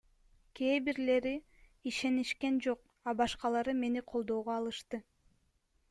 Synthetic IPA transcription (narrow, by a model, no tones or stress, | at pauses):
kʰeːbiɾle̞ɾi | iʃe̞niʃke̞nd͡ʒo̞q̚ | ɑbɑʃqɑlˠɑɾɯme̞niqʰo̞lˠd̪o̞ːʁoɑlˠɯʃt̪ɯ